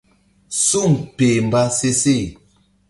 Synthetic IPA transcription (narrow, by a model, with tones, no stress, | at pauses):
su˦˨m˨pe˨m˨ba˦se˦se˦˨